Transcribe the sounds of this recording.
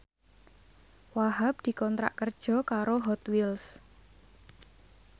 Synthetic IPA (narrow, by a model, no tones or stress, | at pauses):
waɦap̚d̪̥i̤kɔnt̪ɾa̰ʔkərd̥ʒ̥ɔ̤kaɾoɦɔt̪wils